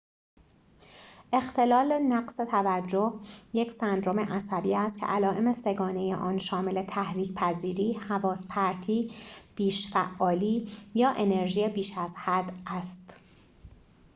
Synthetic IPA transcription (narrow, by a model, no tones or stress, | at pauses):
ʔe̞xt̪ʰe̞lɒːle̞næɡse̞t̪ʰævæd͡ʒːohjecʰsænd̪ɾo̞me̞ʔæsæbiːæst̪kcʰe̞̰ʔælɒːʔe̞me̞se̞ɡɒːne̞jḛʔɒːnʃɒːme̞le̞t̪ʰæhɾiːcʰpʰæziːɾiːhævɒːspʰæɾt̪ʰiːb̥iːʃfæʔːɒːliːjɒːʔe̞ne̞ɾʒijebiːʃæzhæd̪ʔæst̪